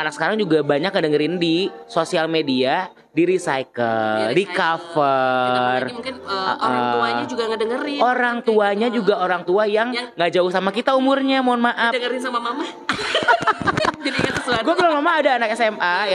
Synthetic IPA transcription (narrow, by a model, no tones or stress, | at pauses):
anak̚sə̥kaɾaŋd͡ʒuɡabaɲak̚ŋədəŋəɾɪndisosialmedia | diɾisajkəlldikafərmukɪnə̰ʔəuaɲad͡ʒuɡaŋədəŋəɾoɾaŋt̪uaɲad͡ʒuɡaʔoɾaŋt̪uajaŋɡaʔd͡ʒauhsamakit̪aumʊrɲamoanmaʔadəŋəɾɪnsamamama | d͡ʒadiɲatəsaɡuakəlaŋmamaːdaːnakɛsɛma